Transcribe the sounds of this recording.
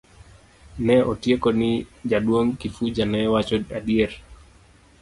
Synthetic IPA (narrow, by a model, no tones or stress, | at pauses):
nɛʔɔtiekɔnid͡ʒaɗwoŋkifud͡ʒanɛwat͡ʃɔaɗiɛɾ